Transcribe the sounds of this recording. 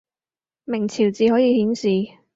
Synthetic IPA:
mɪ˨˩ŋt͡sʰiː˨˩wt͡siː˨˧hɔː˨˥jiː˨˧hiː˨˥nsiː˨

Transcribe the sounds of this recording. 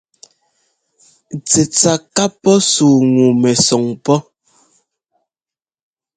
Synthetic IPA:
t͡se˨t͡sa˨ka˦pɔ˦suː˨ŋu˨mɛ˨sɔ˨ŋpɔ˦

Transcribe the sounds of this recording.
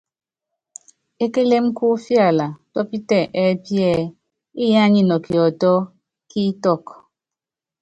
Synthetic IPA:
e˦ke˦le˦m˦ku˦fja˦˨la˨tɔ˦pi˦tɛ˦˨ʔɛ˦pjɛ˦˨ | i˦ja˦ɲi˦nɔ˨ki˨ɔ˨tɔ˦ | ki˦tɔ˦˨k

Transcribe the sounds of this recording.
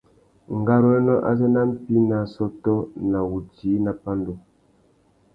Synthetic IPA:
ŋ˨ɡa˦ɾɔ˦ɛ˦nɔ˦ʔa̰˦zɛ˦na˦m̩˦pi˦na˨sɔ˦tɔ˦na˨wu˨ti˨˦na˨pa˦n˦do˨

